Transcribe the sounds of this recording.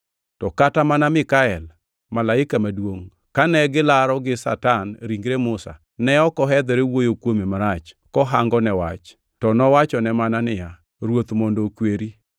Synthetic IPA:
tɔkatamanamɪkaɛl | malaɪkamadwoŋ | kanɛɡɪlaɾɔɡɪsa̰tanɾiŋɡɾemʊsa̰ | nɛɔkɔɦɛd̪ɛɾewojokwomimaɾat͡ʃ | kɔɦaŋɡɔnɛwa̰t͡ʃ | tɔnɔwat͡ʃɔnɛmananɪja | ɾwot̪mondokweɾi

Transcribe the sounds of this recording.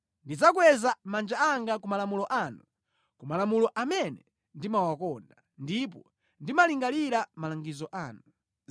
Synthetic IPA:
ndid͡zakwɛzamand͡ʒaaŋɡakumalamulɔʔaːnu | kumalamulɔʔamɛnɛ | ndimawakɔnda | ndip̬ɔ | ndimaliŋɡaliɾamalaŋɡizɔʔaːnu

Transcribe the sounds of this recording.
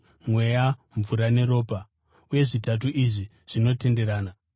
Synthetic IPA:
mwe̞jaɱvuɾane̞ɾo̞ːpa | uje̞ʐitat̬uʔiʐi | ʐ̥ino̞te̞nde̞ɾaːna

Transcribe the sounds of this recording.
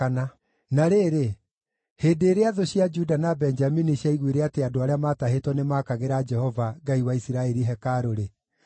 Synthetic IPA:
ana | naɾeːɾe | heːdeːɾeaðoɕiad͡ʒudanabɛnd͡ʒaminiɕjaiɣweɾeateadoaɾeamataɦetwɔnemakaɣeɾad͡ʒɛhɔvaɡaiwaisiɾaɛɾiɦɛkaɾoɾe

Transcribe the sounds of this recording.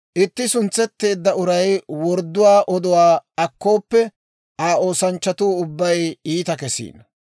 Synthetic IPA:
ʔɪt̪ːɪsʊnt͡sːɛt̪ːe̞ːd̪ːɐʊɾɐjwɔɾd̪ːʊwaːʔɔd̪ʊwaːɐkːo̞ːpːɛ | ʔaːo̞ːsɐnt͡ʃːɐt̪uːʊbːɐjiːt̪ɐkɛsḭːnɐ

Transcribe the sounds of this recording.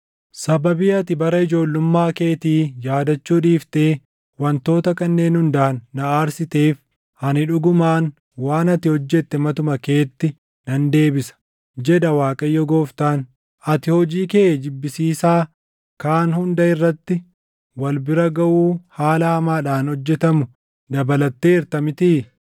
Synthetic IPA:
sɐbɐbiːɐt̪ɪbɐɾɐɪd͡ʒo̞ːlːʊmːaːke̞ːt̪iːjaːd̪ɐt͡ʃːuːᶑiːft̪e̞ː | wɐnt̪o̞ːt̪ɐkɐnːe̞ːnhʊnd̪aːnːɐaːɾsɪt̪e̞ːf | hɐnɪᶑʊɡʊmaːn | waːnɐt̪ɪhɔd͡ʒːɛt̪ːɛmɐt̪ʊmɐke̞ːt̪ːɪ | nɐnd̪e̞ːbɪsɐ̥ | d͡ʒɛᶑ̪ɐwaːkʼɐjːɔɡoːft̪aːn | ʔɐt̪ɪhɔd͡ʒiːkeːd͡ʒɪbːɪsiːsaː | kaːnhʊnd̪ɐɪrːɐt̪ːɪ | wɐlbɪɾɐɡɐʔuːhaːlɐhɐmaːᶑaːnhɔd͡ʒːɛt̪ɐmʊ | d̪ɐbɐlɐt̪ːe̞ːɪɾt̪ɐmɪt̪iː

